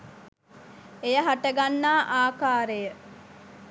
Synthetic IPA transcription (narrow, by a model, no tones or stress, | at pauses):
ejəɦaʈəɡanːaːʔaːkaːɾejə